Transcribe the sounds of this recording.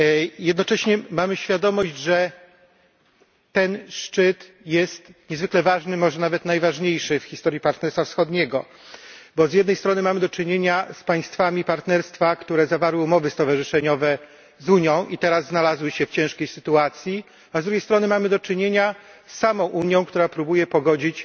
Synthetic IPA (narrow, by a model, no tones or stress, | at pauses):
jɛd̪nɔt͡ʂɛɕɲɛmamɘɕfʲjad̪ɔmɔʑd͡ʑʐɛ | t̪ɛnʂt͡ʂɘt̪ | jɛst̪ɲɛzvɘklɛvaʐnɘmɔʐɛnavɛt̪najvaʐɲejʂɘfxʲist̪ɔɾjipaɾt̪nɛɾst̪fafsxɔd̪ɲeɡɔ | bɔzʲjɛd̪nɛjst̪ɾɔnɘmamɘd̪ɔt͡ʂɘɲeɲaspaj̃st̪famʲipaɾt̪nɛɾst̪fakt̪uɾɛzavaɾwɘumɔvɘst̪ɔvaʐɨʂɛɲɔvɛ | zuɲjɔ̃w̃ʔit̪ɛɾazːnalazwɘɕɛft͡ɕɛ̃w̃ʂkʲejsɘt̪uat̪sʲji | azd̪ɾuɡʲejst̪ɾɔnɘmamɘd̪ɔt͡ʂɘɲeɲasːamɔ̃w̃ʔuɲjɔ̃w̃kt̪uɾapɾubujɛpɔɡɔd͡ʑit͡ɕ